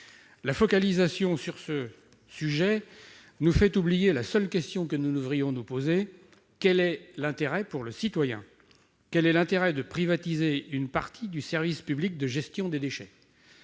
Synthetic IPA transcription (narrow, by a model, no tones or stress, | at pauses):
lafɔkalizasjɔ̃syʁsə | syʒɛ | nufɛt̪ublijelasœlkʲɛst̪jɔ̃kənunəvʁijɔ̃nupoze | kʲɛlɛlɛ̃t̪eʁɛpuʁləsit̪wajɛ̰̃ | kʲɛlɛlɛ̃t̪eʁɛd̪əpχivat̪izeynpaʁt̪ʰid̪ysɛʁvispyblik̚d̪əʒɛst̪jɔ̃d̪ed̪eʃɛ